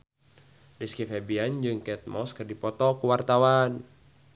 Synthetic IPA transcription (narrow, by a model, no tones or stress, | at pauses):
diskifɛbiand͡ʒɨŋkɛt̪̚mɔskɨrdipɔt̪ɔkuwart̪awan